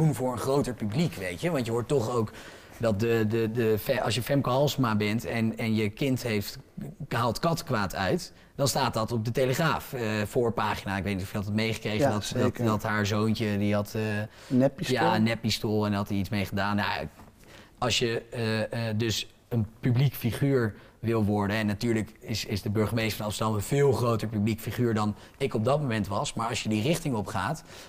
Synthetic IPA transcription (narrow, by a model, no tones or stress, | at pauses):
d̥unvʊːɹənχrowtəɹpyblikʋejtjəʋɑntjəɦʊːɹtɔχowk | dɑt̚dədədəfɑ̰lˠsjəfɛmkoɑlˠsmabɛntɛnɛnjəkɪntɦejftɦaːlˠtkɑtkʋaːtʰœ̰ɥt | d̥ɑnstaːt̚dɑtɔb̚dətejləχraːfəfʊːɹpaːχinaːɪkʋeɪjtnitɔjəɦɑtətmejχə̥krejχəndɑtddɑtɦaːɹzownt͡ʃədiɦɑt | jaənːɛpːistolˠɛnɦɑtiitsmejχədaːnja̰ | ɑlˠsjə | dɵs | ənpyblikfiχyːɹ | ʋɪlˠʋɔɹdənɛnːatyːɹləkɪsɪzdəbɵɹχəmejstəɹfɑnɑmstədɑmənvɪːlˠχrowtəɹpyblikfiχyːɹdɑn | ɪkɔb̚dɑt̚momɛntʋɑsmaːɹɑlsʃjədirɪχtɪŋɔpχaːt